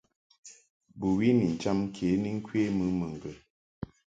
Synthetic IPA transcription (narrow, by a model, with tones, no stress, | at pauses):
bu˨wi˦ni˨n̩˨t͡ʃa˦m˦kʰe˨˦ni˦ŋ̩˦kʰwe˦mɨ˨˦mə˨ŋ̩˨ɡə˨